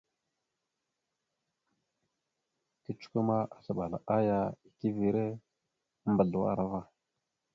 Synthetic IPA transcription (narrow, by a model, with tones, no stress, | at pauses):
ki˦t͡ʃu̥˦ku˦ma˦ʔa˨ɬə˨ɓa˨la̰˨ʔa˦ja˦i˨ki˦vi˨ɾe˦ | mbə˨ɮwa̰˦˨ɾa˦va˦